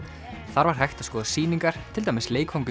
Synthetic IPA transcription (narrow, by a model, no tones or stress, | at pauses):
θaɾvaɾ̥ɦajxt̪ḁskɔːðasiːniŋkaɾ̥t̪ʰɪlt̪ajmɪsleːjkhowŋkʏ